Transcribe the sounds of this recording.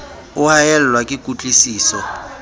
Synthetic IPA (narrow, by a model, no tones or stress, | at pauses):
ʊhajɛl̩lwakʼɪkʼut͡ɬʼisiːsɔ